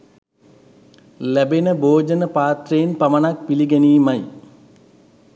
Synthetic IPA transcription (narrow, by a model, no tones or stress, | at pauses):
læbenəbʱoːd͡ʒənəpaːt̪reːnpɐmɐnak̚piliɡɛniːmaj